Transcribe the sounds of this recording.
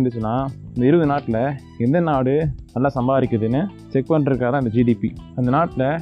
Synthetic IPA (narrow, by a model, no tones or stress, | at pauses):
nɖ̪ɯt͡ʃːɯnːaːɪnd̪ɪɾɯʋɐðɯnaːʈːɪlɐ | ɛnd̪ɐnaːɽɯnɐlːãːsɐmbaːɾɪkːɐðɯnːɯ | sɛkpɐɳɖɾɯkːaːt̪ãːɪnd̪ɐd͡ʒiːɖipiɐnd̪ɐnaːʈːɪlɐ